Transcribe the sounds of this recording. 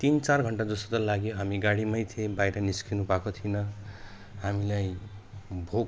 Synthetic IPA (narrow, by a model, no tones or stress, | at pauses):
t̪int͡sarɡʱʌɳʈad͡zʌsot̪ʌlaɡjoɦamiɡaɽimʌjt̪ʰiebajɾʌniskinubʱakot̪ʰinʌ | hamilaj | bʱo